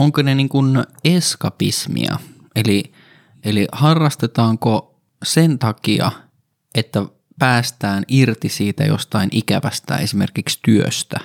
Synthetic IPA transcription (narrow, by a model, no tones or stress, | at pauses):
oŋkoneniːŋkuneskɑpḭsmḭɑ̰ | eli | ʔelihɑrːɑst̪et̪ɑːŋko | sent̪ɑkiɑ̰ | ʔet̪ːæ | pæːst̪æːnirt̪isiːt̪æ̰jo̰st̪ɑinʔikæʋæst̪æ̰esimerkikst̪yø̰st̪æ